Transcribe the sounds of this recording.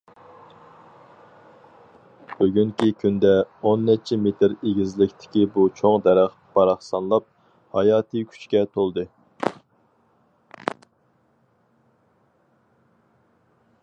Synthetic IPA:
b̥yɡʲyŋkʲikʲʰynd̪ɛonːɛt͡ʃʰɛmet̪ʰɪɾeɡʲizlɪkʲt̪ʰɪ̥kʲibut͡ʃʰoŋd̪ɛɾæχ | b̥ɑɾɑχsɑnlˠɑp̚ | hɑjɑːt̪ʰɨkʲʰy̥t͡ʃkʲɛt̪ʰolˠd̪ɨ

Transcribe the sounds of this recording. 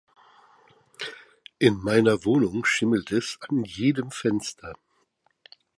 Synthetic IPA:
ʔɪnmaɪnɐvoːnʊŋʃɪml̩tʰɛsanjeːdəmfɛnstʰɐ

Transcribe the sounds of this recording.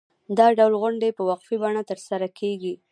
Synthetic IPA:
d̪ɑɖawlɣʊɳɖepəwaqfibɑɽat̪əɾsaɾakʰeɡi

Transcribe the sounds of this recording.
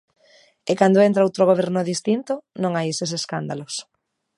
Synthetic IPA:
ekand̪oent̪ɾaowt̪ɾoɣoβ̞ɛɾnoðist̪int̪onõŋajeseseskand̪alos

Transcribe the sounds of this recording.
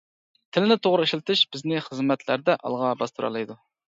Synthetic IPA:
t̪ʰɪlɪnɪt̪ʰoʁɾɨeʃilˠt̪ʰɨʃb̥ɪznɪχəzmɛt̪ʰlæɾd̪ɛʔɑ̰lˠʁɑbɑst̪ʰuɾɑ̰lˠɑjd̪u

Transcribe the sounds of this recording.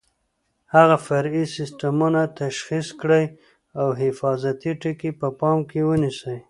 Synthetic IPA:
haɣafaɾisɪsʈamunat̪aʃxiskɽəj | awɦɪfɑzat̪iʈəkepəpɑmkewənisəj

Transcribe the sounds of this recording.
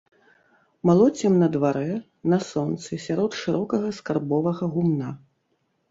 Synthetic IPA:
malˠɔt͡sʲɛmnɐd̪vaɾɛ | nɐsɔnt̪sɨsʲaɾɔt̪ʂɨɾʔɔkɐɣɐskarbɔvɐɣɐɣumna

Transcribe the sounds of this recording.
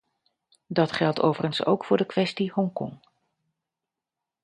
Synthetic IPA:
dɑtχɛlˠtʰo̰wvərənso̰wkfʊːɹdəkʋɛstihɔŋkɔ̰ŋ

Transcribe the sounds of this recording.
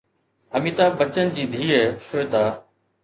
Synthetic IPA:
əmiːt̪aːbət͡ɕənd͡ʑiːd̪ʱiːeʃoːjt̪aː

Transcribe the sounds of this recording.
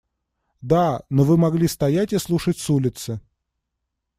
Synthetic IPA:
d̪anovɨmɐɡlʲist̪ɐjatʲɨslˠuʂətʲsulʲɪt̪sɨ

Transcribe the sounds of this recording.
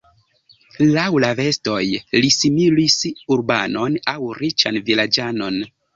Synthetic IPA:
lawlave̞sto̞jlisimilisuɾbano̞nawɾit͡ʃanvilad͡ʒano̞n

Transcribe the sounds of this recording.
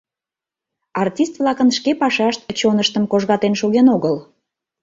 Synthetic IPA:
ɑrtʲist̪vlɑkənʃkepɑʃɑʃt̪̚t͡ɕonəʃt̪əmkoʒɣɑt̪enʃoɣenoɣəl

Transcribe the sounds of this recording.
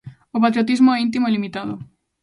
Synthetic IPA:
opat̪ɾiot̪̬izmoɛint̪̬imoelimit̪aðo̰

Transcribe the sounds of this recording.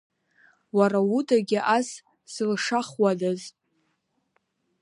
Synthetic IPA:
waɾawudaɡʲɪʔas | slʂaχwadaz

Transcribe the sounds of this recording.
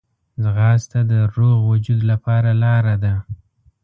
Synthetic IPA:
zɣɑst̪ad̪əɾoɣwʊd͡ʒud̪lapɑɾalɑɾad̪a

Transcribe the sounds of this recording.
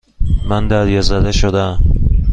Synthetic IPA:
mænd̪æɾjɒzæd̪eʃod̪æm

